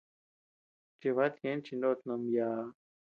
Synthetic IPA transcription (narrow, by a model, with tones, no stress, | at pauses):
t͡ʃi˧βa˦t̪jẽ˨˦nt͡ʃi˧nd̪o˦t̪no˧mjaː˧˦